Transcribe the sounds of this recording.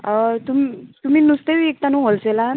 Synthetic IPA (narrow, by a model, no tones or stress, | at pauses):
t̪umit̪um̤inust̪eʋiek̚t̪anũɦolsela